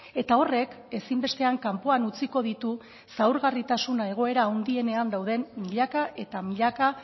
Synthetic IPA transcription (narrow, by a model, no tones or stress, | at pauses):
e̞t̪ao̞re̞k | e̞simbe̞st̪e̞aŋkampo̞anut͡siko̞ðit̪u | sawɾɣarit̪asunae̞ɣ̞o̞e̞ɾaːwnd̪ie̞ne̞and̪awðe̞mːiʎakaʔe̞t̪amiʎaka